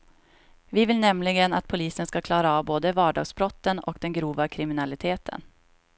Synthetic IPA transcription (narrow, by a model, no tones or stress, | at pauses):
vɪvɪlnɛmlɪɡəna̰t̪̚pʰʊliːsənskakʰlɑːɾaɑːvboːd̪əvɑːɖɑ̰ːɡsbɾɔt̪ːənɔ̰kd̪ɛnɡɾuːvakʰɾɪmɪnalɪt̪ʰeːt̪ʰə̰n